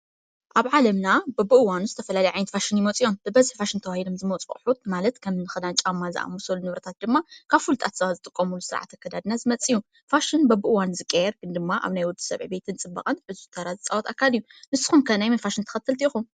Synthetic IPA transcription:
ʔaβʕalɐmnabɐbɨʔɨwanuzɨt̪ʰɐfɐlalɐjʕajnɐt̪faʃɨnjɪmot͡sʼijo̞mb̥ɨbɐzħfaʃɨnt̪ʰɐwahilomzɨmot͡sʼχʼħut̪malɐt̪kʰɐmɨnɨxɐd̪ant͡ʃʼamːazɨʔa̰musɐlunɨβɾɐt̪ʰat̪̚d̪ɨmːakʰaβfult̪ʼat̪sɐβazɨt̪ʼɨkʼːɐmulusɨɾʕa̰t̪ʰːɐkʰːɐd̪ad̪nazɨmɐt͡sʼiju | faʃɨnbɐbɨʔɨwanzɨkʼːejɛɾɡɨnd̪ɨmːaʔa̰βnajwɔd̪i̥sɐ̰βʕibet̪ʰɨnt͡sʼɨbːɐ̰qʼɐnʕɨzuzt̪ʰɐɾazɨt͡sʼawɔt̪ʰakʰːalijːunɨsːɨ̥xumkʰɐnajmɐnfaʃɨnt̪ʰɐ̥xɐt̪ʰːɨlt̪ʰiixum

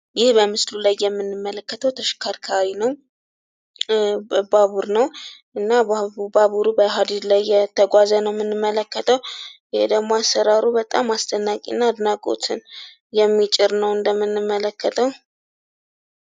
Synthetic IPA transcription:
jɪhbəmɨslulajːɛmːɨnːɨmːələkːət̪ʰəwt̪ʰəʃɪ̥kʰaɾkʰawinəw | baβuɾnəwʔɨnːabaβuɾubəɦad̪id̪lajːɛt̪ʰəɡʷazənəwmːɨnːɨmːələkːət̪ʰəwjɪhed̪əɡmːoasːəɾaɾubət̪ʼa̰mast̪ʰʼənːakʼḭnːaːd̪nakʼo̰t̪ʰɨn | jɛmːit͡ʃʼɪɾnəwɨnd̪əmːɨnːɨmːələkːət̪ʰəw

